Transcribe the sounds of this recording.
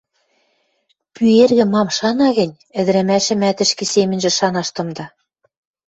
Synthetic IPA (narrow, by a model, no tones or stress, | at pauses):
pyerɣɘ̆mɑmʃɑnɑɣɘ̆nʲ | ɘ̆d̪ɘ̆ɾæ̆mæʃɘ̆mæt̪ɘ̆ʃkĕsemɘ̆nʲʒɘ̆ʃɑnɑʃt̪ɤ̆md̪ɑ